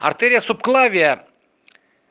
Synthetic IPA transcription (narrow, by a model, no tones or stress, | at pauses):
a̰ɾt̪eɾʲijasup̚klˠavʲia